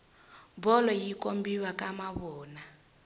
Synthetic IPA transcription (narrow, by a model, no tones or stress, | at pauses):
bɔlɔjikombiwakamaβɔːna